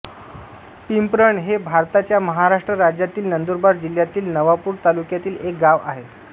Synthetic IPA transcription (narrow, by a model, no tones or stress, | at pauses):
pimpɾəɳɦebʱaɾt̪at͡ɕjaməɦaɾaʂʈɾəɾad͡ʑjat̪iːlnənd̪oɾbaɾd͡ʑil̤jat̪iːlnəʋapuːɾt̪alukjat̪iːlek̚ɡaʋa̰ɦe